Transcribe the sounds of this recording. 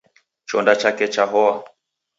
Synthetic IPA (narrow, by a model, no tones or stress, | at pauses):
t͡ʃɔndat͡ʃakɛt͡ʃaɦɔwa